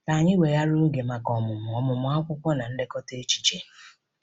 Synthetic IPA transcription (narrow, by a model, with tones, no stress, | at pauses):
ka˨a˨ɲɪ˦we˨ja˦ɾʊ˦ɡe˨ma˨kɔ˨mʊ˨mʊ˨ɔ˨mʊ˨mʊ˨a˦kʷʊ˦kʷɔ˦na˨n̩˦dɪ˦kɔ˦te˦t͡ʃi̥˦t͡ʃe˦